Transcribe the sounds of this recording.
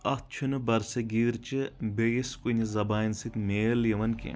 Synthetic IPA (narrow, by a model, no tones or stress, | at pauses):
ɐt͡ʃʰunɨbɐɾsɐɡiːɾt͡ʃibeiskunizɐbaːnsit̪meːljɐʋɐnkḛ